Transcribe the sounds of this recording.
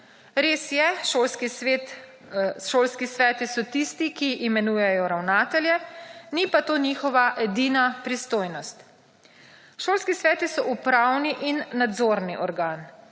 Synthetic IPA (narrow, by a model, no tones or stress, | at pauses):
ɾeːsjɛʃoːlski | ʃoːlskisʋɛːt̪isɔt̪ist̪ikiimɛnuːjɛjɔɾawnaːt̪ɛljɛnipat̪oːnixɔʋaʔɛd̪iːnapɾist̪oːjnɔst̪ | ʃoːlskisʋɛːt̪isɔʔupɾawniʔinːad̪zoːɾniʔɔɾɡaːn